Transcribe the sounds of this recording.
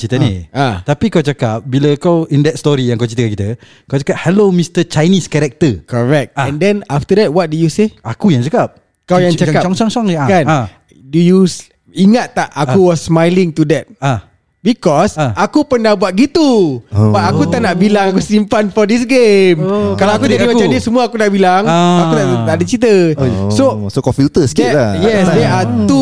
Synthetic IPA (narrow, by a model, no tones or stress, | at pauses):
t͡ʃit̪əniʔat̪apikawt͡ʃakap̚bilakawindɛt̪̚st̪ɔɾijãŋkawt͡ʃit̪əkankit̪ə | kawt͡ʃakap̚hɛlomist̪ət͡ʃajniskɛɾɛk̚t̪əkɔɹɛk̚t̪ɛ̃ndɛ̃naft̪ədɛt̚wɔt̪̚dujuseakujaŋt͡ʃakap̚ | kawjãŋt͡ʃakaɔŋt͡ʃɔŋt͡ʃɔŋakana | dujus | iŋat̪ːaʔakuwɔsːmajliŋt̪udɛt̪̚a | bikɔsakupəndabuat̪̚ɡit̪ubaakut̪aʔnaʔbilaŋakusimpanfɔdis̬ɡemkalaakudadimãt͡ʃamdiəsəmuaakunaʔbilaŋakut̪aʔt̪aʔdət͡ʃit̪̬əsosokɔ̃mpjut̪əsklajɛsdeat̪u